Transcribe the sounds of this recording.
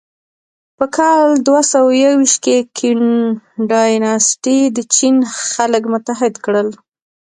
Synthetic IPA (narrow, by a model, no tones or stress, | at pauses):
pəkʰɑld̪wasawajawiʃt̪̚kekʰinɖɑjnɑsʈid̪ət͡ʃinxaləkmʊt̪aɦɪd̪kɽəl